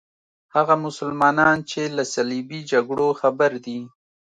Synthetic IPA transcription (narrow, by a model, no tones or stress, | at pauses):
haɣamʊsʊlmɑnɑnt͡ʃelasalibid͡ʒaɡɽoxabaɾd̪i